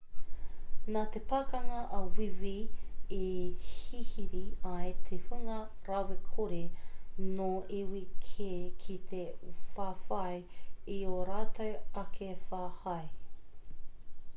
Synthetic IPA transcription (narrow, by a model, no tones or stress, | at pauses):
nat̪epakɐŋɐʔɐwiviehihiɾiɐjt̪ʰehuŋɐ | ɾɐwekʰuɾenoewikʰekʰit̪ʰefaːfɐj | ioɾaːtʰɐwɐkʰefaːhɐj